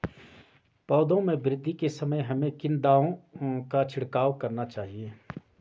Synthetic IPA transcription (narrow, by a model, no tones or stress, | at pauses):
pɔːd̪õmẽbɾɪd̪ʱːikesɐməjɦɐmẽkɪnd̪aːõkat͡ʃʰɪɽkaːwkɐɾnat͡ʃaːɦieː